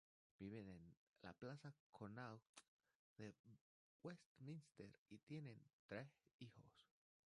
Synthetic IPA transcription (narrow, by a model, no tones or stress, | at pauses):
b̥iβenen | la̰plasakʰonawt | ð̥e | west̪mĩnst̪eɾit̪je̞nẽ̞nt̪ɾesixos